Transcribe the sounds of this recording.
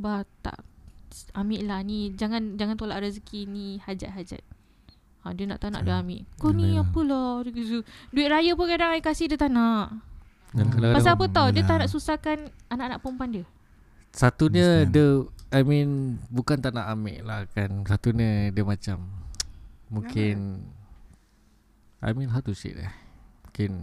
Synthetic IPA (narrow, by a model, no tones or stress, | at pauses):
bat̪a̰ʔ | amɪʔlahnid͡ʒaŋand͡ʒaŋant̪olaʔɾəzkinihad͡ʒat̪̚ɦad͡ʒa̰t̪̚ | ãdiəna̰ʔt̪ana̰ʔdəamɪ̰ʔkoniapəlɔduduiʔ̪̚ɾajapʊnkadaŋaikasɪhdiət̪anaʔ | akalapasaapət̪ɔdiət̪anaʔsusakan | anaʔanaʔpəmpandiə | sat̪uɲə̃dəaminbukant̪anaʔamɪ̰ʔlahkansat̪uɲədəmat͡ʃamː | uŋkɪn | a̰mĩnɦat̪usḭʔla̰hmũkɪn